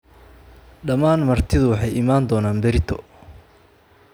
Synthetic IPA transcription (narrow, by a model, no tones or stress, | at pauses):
ɖɐmaːnmɐrt̪ʰɪðʊwɑħɑjʔɪmaːnd̪ɔːnaːnbɛɾɪt̪ʰɔ